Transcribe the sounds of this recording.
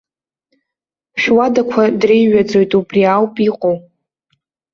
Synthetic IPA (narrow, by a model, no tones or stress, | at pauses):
ʃᶣwadakʷʰadrejɥad͡zo̞jtʼubriawpʼiqʼow